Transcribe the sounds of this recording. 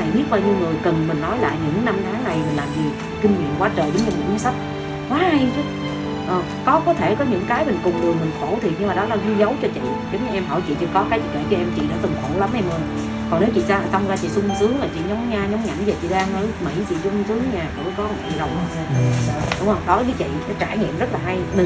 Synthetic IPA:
a˨˩jɓi˦˥t̚ɓaː˧wɲɨ˧wŋɨ˨˩əjkə˨˩nmï˨˩ŋ̟nɔ˨˦jla̰ː˧˨jɲɨ̰˧˥ŋna˧mt̪ʰaː˨˦ŋna˨˩jmï˨˩n̟laː˨˩mzi˨˩ | kï˧ŋ̟ɲḭ˧˨ənkwaː˨˦t͡ɕəː˨˩jɗʊ˨˦ŋ͡mɲɨ˧˩ɨ̰˧˥˦ɨ˨˦sa˦˥t̚ | kwaː˨˦ha˧jzə˨˦ | ʔəː˨˩ | kɔ˨˦kɔ˨˦t̪ʰe˧˩kɔ˨˦ɲɨ̰˧˥ŋkaː˨˦jmï˨˩ŋ̟kʊ˨˩ŋ͡mŋɨ˨˩əjmï˨˩ŋxo˧˩˦t̪ʰi˨˩ɲɨ˧maː˨˩ɗɔ˨˦laː˨˩zwi˧zə˨˦wt͡ɕɔ˧t͡ɕḭ˧˨zŋ͡mɲɨ˧ʔɛ˧mɦɔ̰˧˩t͡ɕḭ˧˨t͡ɕḭ˧˨kɔ˨˦kaː˨˦jzḭ˧˨˩kə˧˨˩t͡ɕɔ˧ʔɛ˧mt͡ɕḭ˧˨nɔ̰˧˥t̪ɨ˨˩ŋxo˧˩˦la˨˦mʔɛ˧mə˧˩n | kɔ˨˩ŋne˨˦wt͡ɕḭ˧˨saː˧a˨˩ta˧wŋ͡mzaː˧˩t͡ɕḭ˧˨sʊ˧ŋ͡msɨ˨˦əŋlaː˨˩t͡ɕḭ˧˨ɲɔ˨˦wŋ͡mɲaː˧ɲɔ˨˦wŋ͡mɲa̰˧˩˦nze˨˩t͡ɕḭ˧˨ɗaː˧ŋʔəː˨˦jmḭ˧˩˦jt͡ɕḭ˧˨sʊ˧ŋ͡msɨ˨˦əŋɲaː˨˩ko̰˧˩˦kɔ˨˦˨ḭ˧˨˩ɗə˨˩wŋ͡mɗʊ˨˦ŋ͡mhə˧wŋ͡mɗɔ˨˦i˨˦t͡ɕḭ˧˨nɔ˨˦t͡ɕaː˧˩ɲḭ˧˨mzə˦˥t̚laː˨˩ɦa˧jmi˨˩

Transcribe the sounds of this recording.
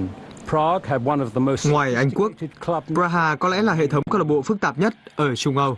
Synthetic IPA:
pʰɹ̥ɑɡɨd̚wʌ̃nʌvðəmoʊsŋwaː˨˩jʔa˧jŋ̟ku˦˥ək̚d̚kʰl̥ʌ̥pɹaː˧ɦaː˧˩kɔ˨˦lɛ̰˧˥laː˨˩ɦḛ˧˨t̪ʰə˨˦wŋ͡mkaː˦˥k̚lə˨˩ɓo̰˧˨fɨ˦˥k̚t̪aː˨˩p̚ɲə˦˥t̚ʔəː˧˩t͡ɕʊ˧ŋ͡mʔə˧w

